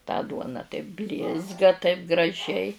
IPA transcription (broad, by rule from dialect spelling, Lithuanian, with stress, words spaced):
tɑː ˈduɔnɐ tɐɪp ˈbʲlʲɪzɡɐ tɐɪp ɡrɐˈʒʲɛɪ